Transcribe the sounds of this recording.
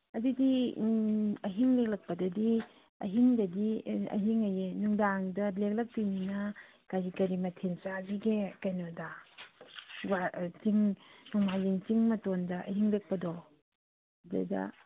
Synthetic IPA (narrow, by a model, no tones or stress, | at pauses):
ɐdidi | ɐɦiŋlek̚lɐk̚pɐdɐdi | ɐ̰ɦiŋdɐdiɐ̰ɦiŋajenuŋdaŋdɐlek̚lɐk̚pininɐ | kazikɐɾimɐtʰensaziɡekajnoda | bat͡ʃiŋnɔŋmajziŋt͡ʃiŋmɐtondɐʔɐ̰ɦiŋlɐk̚pɐdɔ | dɐ̰dɐ̰